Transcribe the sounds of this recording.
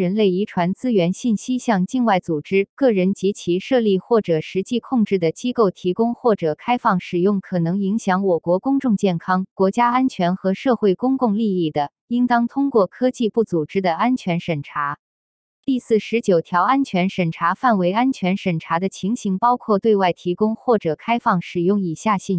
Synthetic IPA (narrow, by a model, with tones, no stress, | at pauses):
ɻə˧˥nle˥˩ɪi˧˥ʈ͡ʂʰwa˧˥nt͡sɹ̩˥ɥɛ˧˥nɕi˥˩nɕi˥ɕjɑ˥˧ŋt͡ɕi˥˧nwa˥˩ɪt͡su˨˩ʈ͡ʂɻ̩˥kɤ˥˩ɻə˧˥nt͡ɕi˧˥t͡ɕʰi˧˥ʂɤ˥˧li˥˧xwɔ˥˩ʈ͡ʂɤ˨˩ʂɻ̩˧˥t͡ɕi˥˧kʰʊ˥˧ŋʈ͡ʂɻ̩˥˩d̪ə˩t͡ɕi˥ko˥˩ʊt̪ʰi˧˥kʊ˥ŋxwɔ˥˩ʈ͡ʂɤ˨˩kʰa˥ɪfɑ˥˩ŋʂɻ̩˨˩jʊ˥˩ŋkʰɤ˨˩nɤ˧˥ŋi˧˥ŋɕjɑ˧˥ŋwɔ˨˩kwɔ˧˥kʊ˥ŋʈ͡ʂʊ˥˧ŋt͡ɕjɛ˥˩nkʰɑ˥ŋkwɔ˧˥t͡ɕja˥a˥nt͡ɕʰɥɛ˧˥nxɤ˧˥ʂɤ˥˧xwe˥˩ɪkʊ˥ŋkʊ˥˧ŋli˥˧i˥˩d̪ə˩ | i˥nt̪ɑ˥ŋt̪ʰʊ˥ŋkwɔ˥˩kʰɤ˥t͡ɕi˥˧pu˥˩t͡su˨˩ʈ͡ʂɻ̩˥d̪ə˨˩a˥nt͡ɕʰɥɛ˧˥nʂə˨˩nʈ͡ʂʰa˧˥ | t̪i˥˧sɹ̩˥˩ʂɻ̩˧˥t͡ɕjo˨˩ʊt̪ʰjɑ˧˥ʊa˥nt͡ɕʰɥɛ˧˥nʂə˨˩nʈ͡ʂʰa˧˥fa˥˩nwe˧˥ɪa˥nt͡ɕʰɥɛ˧˥nʂə˨˩nʈ͡ʂʰa˧˥d̪ə˧t͡ɕʰi˧˥ŋɕi˧˥ŋpɑ˥ʊkʰwɔ˥˧t̪we˥˧ɪwa˥˩ɪt̪ʰi˧˥kʊ˥ŋxwɔ˥˩ʈ͡ʂɤ˨˩kʰa˥ɪfɑ˥˩ŋʂɻ̩˨˩jʊ˥˩ŋi˨˩ɕja˥˧ɕi˥˩n